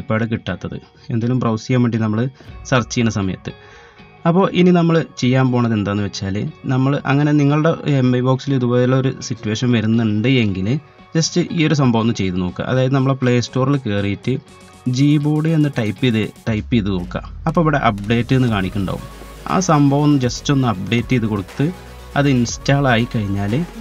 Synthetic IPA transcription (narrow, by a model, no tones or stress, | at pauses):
ipːaːɽɨkiʈːaːt̪ːɐðɨ̰ | e̞̰nd̪aːlumprɐwsijamːeɳɖinɐmːɐɭɨsɐrt͡ɕːikːinːɐsɐmɐjɐ̰t̪ːɨ | ɐpːo̞ːʔininɐmːɐɭɨt͡ɕe̞jːaːmpo̞ːɳɐðe̞nd̪aːnːɨʋet͡ɕːaːlɨ̰nɐmːɐɭʔɐ̰ŋːɐne̞niŋːɐɭɨɽe̞emːɐjbo̞ːksiliðuboːðilːeoɾusitːuʋe̞ːʂɐnʋɐɾunːuɳɖɨeŋɡil | d͡ʑɐstɨʔiːo̞ɾus̬ɐmbʱɐʋɐnːɨt͡ɕe̞jt̪uno̞ːkːɨ̰ʔɐ̰ðaːjɐðɨnɐmːɐɭpɭe̞ːsto̞ːrilɨke̞ːrijitːɨ | d͡ʑiːboːɽɨe̞nːɨʈɐjpːiðɨʈɐjpːiiðɨkoɽukːɐ̰ɐpːoiʋiɽe̞ʔɐp̚ɖe̞ːtːɨe̞nːɨkaːɳikʲːuɳɖa̰ːʋṵma̰ːsɐmbʱɐʋɐnːɨd͡ʑɐstːo̞nːɨɐp̚ɖe̞ːtːɨjɐðɨko̞ɽut̪ːɨ | ɐ̰ðɨinstːaːɭaːjikɐɻiɲːaːlɨ